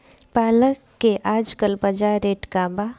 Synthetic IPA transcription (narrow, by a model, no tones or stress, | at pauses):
paːləkːeʔaːd͡ʒkəlbɐd͡ʒaːɾeːʈkaːba